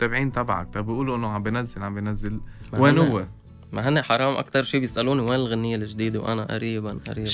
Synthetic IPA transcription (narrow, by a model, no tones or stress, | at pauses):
t̪æbʕiːnt̪ˤɑbʕa̰k̚t̪ˤɑbɪjʔuːluʔɪnːʊʕambjnæzːɪlʕambjnæzːɪlmwanʊwːa | maɦanːaħɑɾˤɑːmʔa̰kt̪ɑɾˤʃiːbjɪsʔaluːniwaːnɪlɣanːɪjːalɪʒd̪iːd̪awʔa̰naʔa̰ɾiːbanʔa̰ɾiː